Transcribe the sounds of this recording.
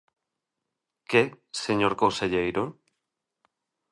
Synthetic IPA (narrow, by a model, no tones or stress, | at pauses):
ke | seɲoɾkoseʎejɾo